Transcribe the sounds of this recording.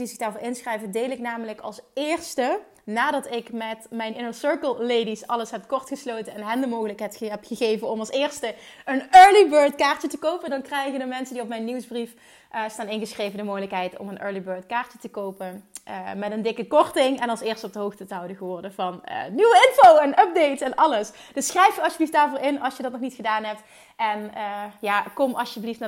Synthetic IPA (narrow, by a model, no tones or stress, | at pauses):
izɪɡdaːɹvʊːɹɪnsxrɛjvədejlɪknaːmələkɑ̰lˠsɪːrstə | naːdɑtɪkmɛtmɛjnʔɪnəsøɹkəlˠlejdisɑləsɦɛpkɔrtxəsloːwtənɛnɦɛndəmowɣələkɦɛjtɛpxəɣejvənɔmɑlˠsɪːrstəənøːɹlibøːɹtkaːɹtətəkowpəndɑnkrɛjɣədəmɛnsəndiɔp̚mɛjnːiwsbrif | ʔəstaːnɪnɣəsxrejvəndəmowɣələkɦɛjtɔ̰mənʔø̰ːɹlibøːɹtkaːɹtətəkowpənəmɛtəndɪkəkɔrtɪŋɛnɑlˠsɪːɹstəɔb̚dəɦowxtətəɦɑwdəɣəʋɔrdəvɑnə̰nyʋəɪnfowɛnœp̚dejtɛnɑləsd̥ɵsːχrɛjfjəɑlsjəbliftdaːɹvoːɹɪnɑlˠsjədɑtnɔχxnitxədaːnɦɛp̚t | ʔɛnəjaːkɔmʔɑ̰sjəbliftna